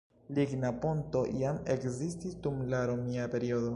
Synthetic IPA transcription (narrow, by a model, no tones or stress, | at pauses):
liɡnapo̞nto̞jamḛkzistisdumlaɾo̞miape̞ɾiodo̞